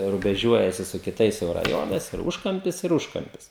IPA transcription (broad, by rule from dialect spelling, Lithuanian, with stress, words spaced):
rʊbʲɛˈʒʲuɔjɛsʲɪ sʊ kʲɪˈtɐɪs jɛʊ rɐˈjoːnɐɪs ɪr ˈuːʃkɐmʲpʲɪs ɪr ˈuːʃkɐmʲpʲɪs